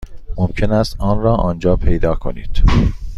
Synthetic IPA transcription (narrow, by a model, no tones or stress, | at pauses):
momcʰe̞næst̪ʔɒːnrɒːʔɒːnd͡ʒɒːpʰe̞jd̪ɒːkʰo̞̰nḭːd̪̥